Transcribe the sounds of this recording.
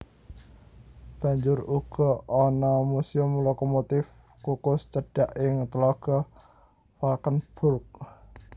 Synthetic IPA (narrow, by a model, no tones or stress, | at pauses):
b̥a̤ɲd͡ʒʊruɡ̥ɔ̤ɔnɔmusiʊmlokomot̪ɪf | kukʊst͡ʃəɖ̥aʔɪŋt̪əlɔɡ̥ɔ | falkənb̥ʊrk̚